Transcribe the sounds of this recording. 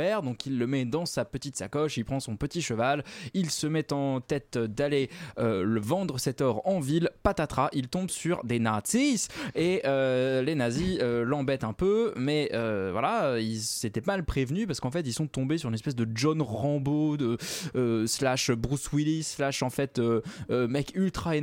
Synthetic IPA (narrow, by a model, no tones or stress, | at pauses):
ɛʁd̪ɔ̃kilːəmɛd̪ɑ̃sapət̪it̪sa̰kɔʃilpχɑ̃sɔ̃pət̪iʃəvalilsəmɛt̪ɑ̃t̪ɛt̪d̪aleøləvɑ̃d̪ʁəsɛt̪ɔʁɑ̃vilpat̪at̪χaʔilt̪ɔ̃bsyʁd̪enaʁt̪siseølenaziølɑ̃bɛt̪ɛ̃pømɛøvwa̰laøilset̪ɛmalpχevnypaʁsə̥kɑ̃fɛt̪ilsɔ̃t̪ɔ̃besyʁynɛspɛsd̪əd͡ʒɔnʁɑ̃bod̪əøslaʃbʁyswilislaʃɑ̃fɛt̪øːmɛkylt̪χae